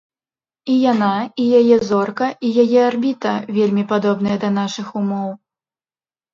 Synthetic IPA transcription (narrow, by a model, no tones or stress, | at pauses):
ijanaijajɛzɔrkɐijajɛarbʲit̪ɐvʲelʲmʲipad̪ɔbnɐjɐd̪ɐn̪aʂɨxumɔw